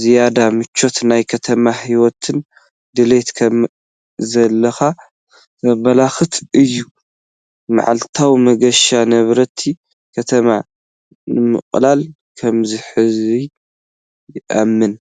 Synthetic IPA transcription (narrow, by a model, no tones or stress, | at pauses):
zijad̪amɨt͡ʃʰːo̞t̪najkʰɐt̪ʰɐmahiwɔt̪ʰɨn | d̪ɨlet̪kʰɐm | zɐlːɐxa | t̪ʰɐβɐlaxɨt̪ɨjːu | ma̰ʕa̰lt̪ʰawmɐɡɐʃanɐβɾɐt̪ʰi | kʰɐt̪ʰɐma | nɨmɨ̰χʼlal | kʰɐmziħɨzi | jɪʔamːɨn